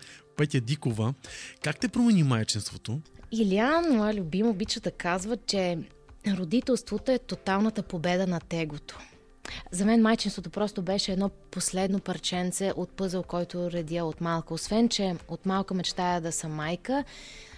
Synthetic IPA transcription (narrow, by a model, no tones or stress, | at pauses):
pɛt̪ʲɛd̪ikovəkakt̪ɛpɾomɛnimajt͡ʃinst̪vot̪oilianmɔjəlʲʊbiməːbit͡ʃəd̪ɐkazvət͡ʃɛ | ɾod̪it̪ɛlˠst̪vot̪oɛt̪ot̪alˠnət̪əpobɛd̪ənɐt̪ɛɡot̪o̥ | zɐmɛnmajt͡ʃinst̪vot̪opɾɔst̪obɛʃɛɛd̪nɔposlɛd̪nopɐɾt͡ʃɛnt̪sɛʔot̪̚pɤzəlˠkɔjt̪ʊɾɛd̪iəot̪malˠkəosvɛnt͡ʃɛot̪malˠkəmɛt͡ʃt̪ajəd̪ɐsɐmajkə